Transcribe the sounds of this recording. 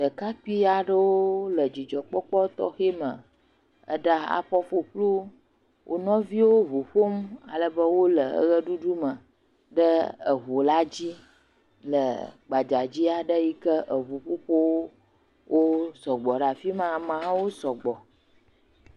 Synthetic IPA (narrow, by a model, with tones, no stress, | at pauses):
də˨ka˦k͡pi˦a˨ɖə˦woo˦lə˨d͡ʑi˨d͡ʒɔ˨k͡pɔ˦k͡pɔ˦t̪ɔ̰˦xe˦mə̃˨ | ə̰˦ɖa˦a̰˨ɸɔ˦fo˨k͡plu˦ | wʔo̰˦nɔ̃˦vi˦wo˦vu˨ɸo˦m˦a̰˨lə˨bə˦wo˦lə˨ə̰˦ɣə˦ɖu˦ɖu˦mə̃˨ | ɖə˦ə˨ɦo˨la˦d͡ʑi˦ | lə˨ɡ͡ba˨d͡ʒa˨d͡ʑi˦a˨ɖə˦ji˦kə˦ʔə˨βu˨ɸo˦ɸo˦wo˦ | wʔo˦sɔ˨ɡ͡bɔ˨ɖa˨fi˦mã˨mã˨˦wo˦sɔ˨ɡ͡bɔ˨